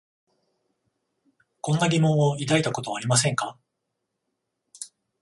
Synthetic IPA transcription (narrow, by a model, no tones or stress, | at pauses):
kõ̞nːaɡʲimõ̞ɰ̃oid̪ait̪ako̞t̪o̞βaːɾʲimas̬ẽ̞ŋka